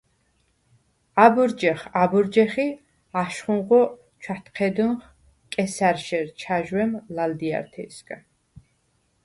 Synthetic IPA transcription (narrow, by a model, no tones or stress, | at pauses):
abuɾd͡ʒɛχabuɾd͡ʒɛχi | aʃχunʁɔ | t͡ʃʰwat̪ʰqʰɛd̪unχ | kʼɛsaɾʃɛɾt͡ʃʰaʒwɛmlald̪ia̰ɾt̪ʰɛ̰skʼa